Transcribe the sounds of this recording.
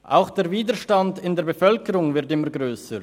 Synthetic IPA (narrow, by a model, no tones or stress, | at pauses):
ʔʔa̰ʊxd̥eːɐviːdəʃtandɪndeːɐbefœlkəɾʊŋvɪʁtɪməɡʁøːsə